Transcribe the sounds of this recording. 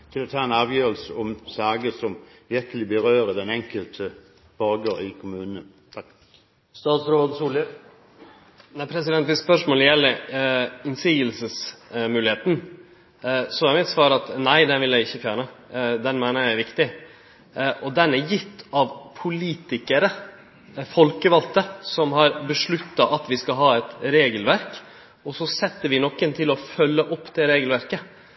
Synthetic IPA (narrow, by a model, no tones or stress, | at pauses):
t̪ʰɪlɔt̪ʰɑːɛnæːʋjøːəlsəɔmsæːɡəsɔmʋɪɾkəlɪbəɾøːɾəd̪ɛnɛŋkəlt̪ʰə | b̥ɑɡəɾɪkʰʊmʉːnənʰ | st̪ɑːt̪sɾoːd̪suːlə | næɪpʰɾɛsɪd̪ɛnt̪ʋɪsspœʂmoːləjɛlːəɾɪnsiːɡəlsəsmʉːlɪheːt̪n̩ | sɔmæɪmɪt̪sʋɑːɾɑt̪næɪd̪ɛnʋɪljæɪɪçːəfjæːɳəd̪ɛnmæɪnəɾjæɪʋɪkt̪ɪ | ʔɔd̪ɛnːæjɪt̪ːɑʋpʰʊliːt̪ɪkəɾə | fɔlkəʋɑlt̪əsɔmhɑɾbəʂɭʉt̪ːɑʔɑt̪ʋɪskɑɦɑːɛt̪ɾeːɡəlʋæɾk | ɔsɔsɛt̪ːəɾʋɪnɔkːənt̪ʰɪlɔfœlːəʔɔpːd̪ɛɾeːɡəlʋæɾkə